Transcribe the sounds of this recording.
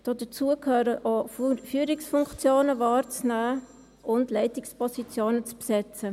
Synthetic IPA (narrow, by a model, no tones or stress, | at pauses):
d̥ɑd̥ət͡suəkʰhøːɾəʔofyːɾɪksfʊŋkt͡sjoːnəvɑːɾt͡snæː | ʔʊndlɛɪtɪkspɔsit͡sjoːnət͡spsɛt͡sə